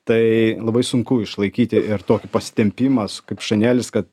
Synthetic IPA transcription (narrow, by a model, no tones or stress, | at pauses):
t̪ɐɪlˠɐbɐɪsʊŋkʊɪʃlˠɐɪkʲiːt̪ʲɪɪɾt̪oːkʲɪpɐsʲɪ̥t̪ʲɛmʲpʲɪmɐsʊ̥kɐɪpʃɐnʲæːlʲɪskɐt̪